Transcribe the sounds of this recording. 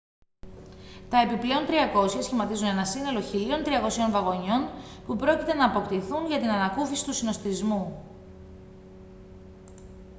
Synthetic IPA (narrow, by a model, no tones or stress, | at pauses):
t̪ɐe̞piple̞o̞nt̪ɾiɐko̞sçɐsçimɐt̪izune̞nɐsine̞lo̞çilio̞nt̪ɾiɐko̞sio̞nvɐɣo̞ɲo̞npupɾo̞cit̪e̞nɐːpo̞kt̪iθunʝɐt̪inɐnɐkufisi̥t̪usino̞st̪izmu